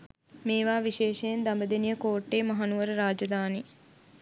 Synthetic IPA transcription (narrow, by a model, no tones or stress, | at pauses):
meːʋaːʋiʃeːʃejend̪ambəd̪enijəkoːʈːeːmɐɦanuʋəɾəɾaːd͡ʒɐd̪aːni